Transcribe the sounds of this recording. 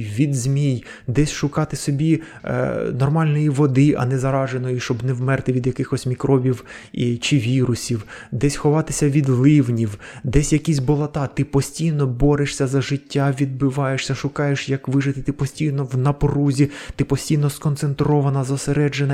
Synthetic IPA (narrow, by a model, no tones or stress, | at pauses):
ʋʲid̪zmʲij | d̪ɛsʲʃʊkɑt̪ɪsɔbʲḭ | nɔrmɑlʲnɔjiʋɔd̪ɪʔɐ̰nɛzɐɾɑʒenɔjiʃt͡ʃɔbnɛwmɛrt̪ɪʋʲid̪jɐkɪxɔsʲmʲikɾɔbʲiwit͡ʃɪʋʲiɾʊsʲiwd̪ɛsʲxɔʋɑt̪ɪsʲɐʋʲid̪lˠɪwnʲiwd̪ɛsʲjɐkʲisʲbɔlˠɐt̪ɑt̪ɪpɔsʲtʲijnɔbɔɾeʃsʲɐzɐʒɪtʲːaʋʲid̪̚bɪʋɑjeʃsʲɐʃʊkɑjeʃjɐkʋɪʒɪt̪ɪt̪ɪpɔsʲtʲijnɔwnɐpruzʲit̪ɪpɔsʲtʲijnɔskɔnt̪sent̪ɾɔʋɐnɐzɐseɾɛd͡ʒenɐ